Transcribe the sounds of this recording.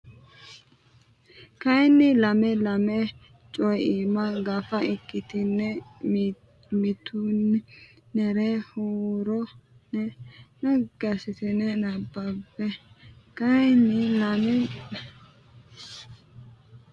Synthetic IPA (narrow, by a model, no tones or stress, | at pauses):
kɐjnːɪlɐmɛlɐmɛ | t͡ʃʼɔjiːmɐɡɐfɐɪkːɪt̪ɪnːɛ | mɪt̪un | nɛɾehuːɾɔnɛnɐɡ̥ɐsɪt̪ɪnɛnɐbːɐbːɛkɐjnːɪlɐmɪ